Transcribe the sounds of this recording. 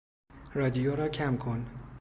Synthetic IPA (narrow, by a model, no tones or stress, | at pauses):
rɒːd̪ijoːɾɒːcʰæmkʰon